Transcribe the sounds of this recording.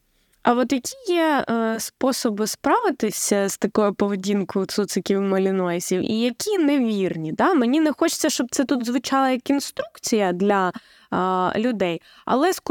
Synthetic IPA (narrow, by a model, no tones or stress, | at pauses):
ɐɔt̪jɐkʲʰijɛspɔsɔbɪspɾɑʋɪt̪ɪsʲɐz̥t̪ɐkɔjʊpɔʋedʲinkʊʊt̪sut̪sɪkʲiwmɔlʲinɔjɪsʲiwḭjɐkʲʰineʋʲirnʲid̪ɑmenʲinɛxɔt͡ʃɪ̥t͡sʲːɐʃt͡ʃɔb̚t̪sɛt̪ut̪zʋɪt͡ʃɑlˠɐjɐkinst̪ɾukt͡sʲijɐd̪lʲɐ | lʲʊd̪ɛj | ɐ̰lˠɛsk